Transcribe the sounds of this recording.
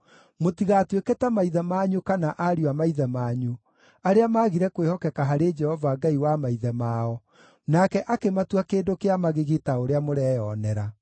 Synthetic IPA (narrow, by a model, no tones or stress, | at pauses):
motiɣatwekɛtamaiðɛmaɲukanaʔaɾiwamaiðɛmaːɲu | aɾeamaːɣiɾɛkwehɔkɛkaɦaɾed͡ʒɛhɔvaɡaiwamaiðɛmaɔ | nakɛʔakematwakeːndokeamaɣeɣitaoɾeamoɾɛjɔnɛɾa